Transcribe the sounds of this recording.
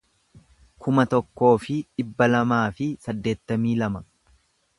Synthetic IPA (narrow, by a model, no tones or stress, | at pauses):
kʰʊmɐt̪ɔkːo̞ːfɪᶑɪbːɐlɐmaːfɪsɐd̪ːe̞ːt̪ːɐmiːlɐmɐ